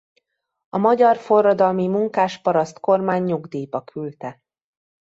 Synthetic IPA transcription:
ɒmɒɟɒrfo̞rːɒd̪ɒlmimuŋkaːʃpɒɾɒst̪ko̞rmaːɲːuɡd̪iːpɒkʰylt̪ɛ

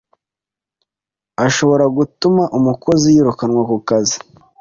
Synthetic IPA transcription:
aʃo̞βo̞ɾaɡutumaʔumuko̞zijiɾukanŋwakukazi

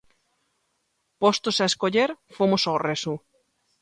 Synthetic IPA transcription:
post̪osaeskoʎeɾfomʊsoresu

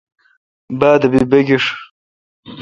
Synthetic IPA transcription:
baːd̪ɐbibɐɡiʂ

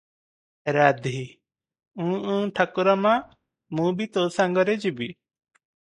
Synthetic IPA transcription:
ɾad̪ʱi | ũʔũʈʰakuɾama | mũbit̪ɔsaŋɡɔɾɛd͡ʒibi

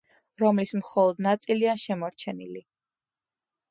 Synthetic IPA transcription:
ɾɔmlismχɔlˠɔd̪nat̪sʼiliaʃɛmɔɾt͡ʃʰɛnḭli

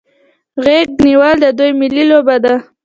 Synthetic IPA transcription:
ɣeɡniwəld̪əd̪ujmɪlilobad̪a

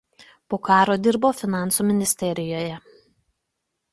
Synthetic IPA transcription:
poːkɑːɾoːd̪ʲɪɾboːfʲɪnɑˑnˑsuːmʲɪnʲɪsʲt̪ʲɛɾʲɪjoːjɛ

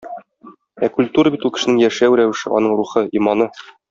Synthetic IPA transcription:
ækulʲt̪uɾəbit̪ulˠkɘ̥̆ʃɘ̆nɘŋjæʃæwɾæwɘ̆ʃɘ̰ʔɒ̰nɤɴɾuχɤimɑnɤ

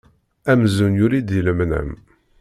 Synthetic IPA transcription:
æmzunjʊɾid̪jələmnə̰m

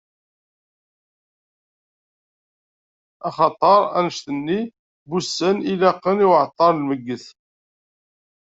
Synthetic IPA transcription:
ɑχɑt̪ˤəɾˤænəʃt̪ənːi | busːənilæqːəniwʕt̪ˤːɑɾˤlməɡːəθ

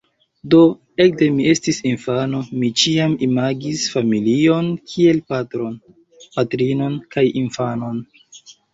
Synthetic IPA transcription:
do̞ | e̞k̚de̞mie̞stisinfano̞mit͡ʃiamimaɡisfamilio̞nkʰie̞lpatɾo̞n | patɾino̞nkajinfano̞n

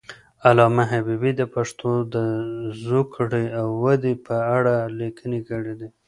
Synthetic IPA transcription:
alɑmaɦabibid̪əpaʂt̪od̪əzukɽiawːad̪ipʰəaɽalikʰənekəɽed̪i

